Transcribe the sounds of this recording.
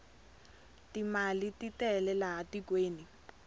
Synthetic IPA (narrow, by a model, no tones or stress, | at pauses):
timalititɛlɛlaɦatikʼweːni